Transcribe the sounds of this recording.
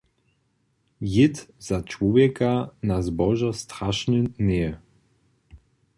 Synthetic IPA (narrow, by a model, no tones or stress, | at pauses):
jɪt̪z̥at͡ʃwɔvjɛkanazbɔʒast̪ɾaʃnənɛɛ